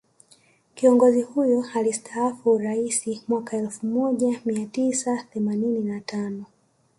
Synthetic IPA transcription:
kiɔŋɡɔzihujɔalistʰaafuɾaisimwakaɛlfumɔʄamiatisaθɛmanininatanɔ

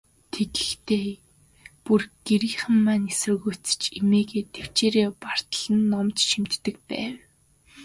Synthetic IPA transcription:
t̪ʰetɘ̥̆xt̪ʰeː | purɡ̥eɾiːχə̆mːaːnesə̆ɣut͡sɘ̥̆t͡ɕimeːɣeːt̪ʰew̥t͡ɕeːɾeːpar̥t̪ə̆ɮə̆nːɔmt͡ɕʃim̥t̪ːɘ̆kpæ̰ːw

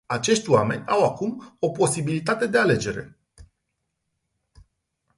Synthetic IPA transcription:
at͡ʃe̞ʃt̪ʲoame̞̰nʲawakumo̞po̞sibilit̪at̪e̞d̪e̞ale̞d͡ʒe̞ɾe̞̰

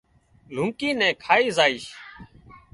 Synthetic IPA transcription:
l̤ũŋkiːnɛ̃ːkʰaːiːzaːiːʃ

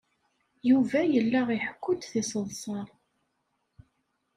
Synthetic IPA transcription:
juvæjəlːaʁiħkʷːʊd̪θisˤəðˤsˤɑɾˤ

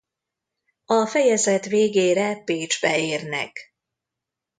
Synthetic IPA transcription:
ɒfɛjɛzɛt̪ʋeːɡeːɾɛpeːd͡ʒbɛeːrnɛ̰k

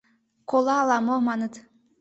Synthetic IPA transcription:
kolˠɑːlˠɑmomɑnɤt̪

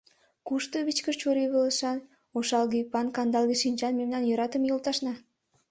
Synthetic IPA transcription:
kuʃt̪oβit͡ɕkərt͡ɕuɾiβələʃɑn | oʃɑlɡipɑnkɑnd̪ɑlˠɡiʃinʲt͡ʃɑnmemnɑnjɤɾɑt̪əmjolˠt̪ɑʃnɑ

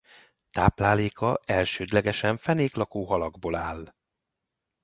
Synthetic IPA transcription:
t̪aːplaːleːkɒɛlʃøːd̪lɛɡɛʃɛɱfɛneːklɒkoːɦɒlɒɡboːlaːlː

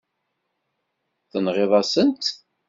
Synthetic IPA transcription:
θənʁeðˤɑsənt̪

